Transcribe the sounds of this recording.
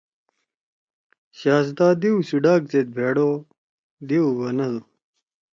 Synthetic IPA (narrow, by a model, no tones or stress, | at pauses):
ɕaːs̬d̪aːd̪iuɕuɖaːk̚t͡set̪̚bʱeːɽo | d̪iuwɐnɐd̪u